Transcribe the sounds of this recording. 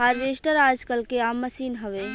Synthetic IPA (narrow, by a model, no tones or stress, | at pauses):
ɦaɾʋesʈəɾad͡ʒkəlkeamːəsinɦəʋe